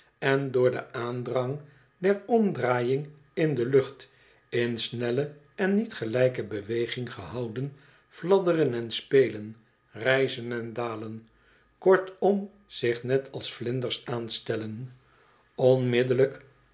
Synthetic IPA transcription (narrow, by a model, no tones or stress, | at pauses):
ɛndʊːɹdə̰aːndrɑŋ | dɛɹɔmdraːjɪŋ | ɪndəlɵχt | ɪnsnɛlə | ɛnːitχəlɛjkəbəʋejχɪŋχəɦɑwdən | v̥lɑdərənɛnspeːjlən | rɛjzənɛndaːlən | kɔɹtɔm | z̥ɪχnɛtʰɑlˠsflɪndəɹsaːnstɛlən | ɔnmɪdələk